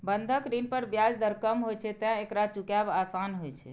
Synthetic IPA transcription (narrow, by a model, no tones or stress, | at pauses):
bənd̪ʱəkɾinpəɾbjad͡ʒd̪əɾkəmɦojt͡ʃʰɛt̪ãekɾat͡ʃukjabasanɦojt͡ʃʰɛ̰